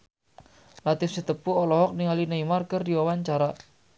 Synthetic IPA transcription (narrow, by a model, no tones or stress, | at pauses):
lat̪ɪfsit̪əpuɔlɔɦɔk̚niŋalinaimarkərdiwɔwaɲt͡ʃaɾa